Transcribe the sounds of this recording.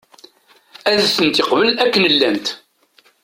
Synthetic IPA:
æðθənt̪ɪqvəlækːənəlːæmt̪

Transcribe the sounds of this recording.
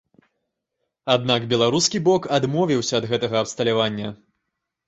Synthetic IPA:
ad̪̚nakbʲɛlˠaɾuskʲibɔkad̪mɔvʲiwsʲɐːd̪ɣɛt̪ɐɣɐɐpst̪ɐlʲavanʲːɐ

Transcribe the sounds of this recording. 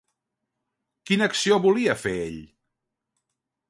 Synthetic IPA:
kinəksioβuliəfeḛʎ

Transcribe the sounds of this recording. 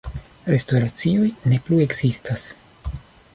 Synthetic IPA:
ɾe̞stoɾat͡sio̞jne̞plue̞ɡz̥istas

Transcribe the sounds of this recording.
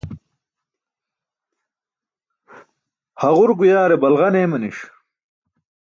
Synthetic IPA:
hɐʁuɾɡujaːɾebɐlʁɐneːmɐniʂ

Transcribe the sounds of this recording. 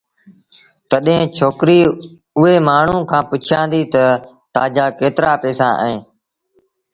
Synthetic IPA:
t̪əɗɦẽːt͡ʃʰoːkɾiː | ʊɦeːmaːɳ̤ũːkʰãːpʊt͡ʃʰɪjãːnd̪iːt̪ə | t̪aːd͡ʒaːkeːt̪ɾaːpɛːsã̰ːʔə̰ẽː

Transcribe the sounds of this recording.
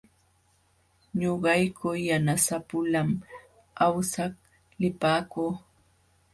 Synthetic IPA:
ɲoɢɑjkʰojanasapʊlam | awsak | lɪpaːkuː

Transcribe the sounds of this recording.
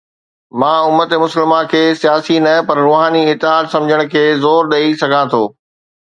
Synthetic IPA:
mãːʊmːət̪emʊsəlmakʰeːsijaːsinɐpɐɾɾoːɦaːniɪt̪ːɪɦaːd̪sɐ̃md͡ʑʱəɽ̃ʊ̆kʰeːzoːɾɗeːisɐɡʱãt̪ʰoː

